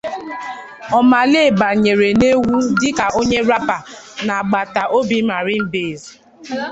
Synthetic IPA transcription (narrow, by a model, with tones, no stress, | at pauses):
ɔ˨ma˨le˦˨ba˨ɲe˨ɾe˨ne˦wu˦dɪ˦ka˨o˦ɲe˦ɾa˦pa˨ | na˨ɡ͡ba˨ta˨ʔo˦bi˦ma˨ɾɪ˦m̩˦be˨z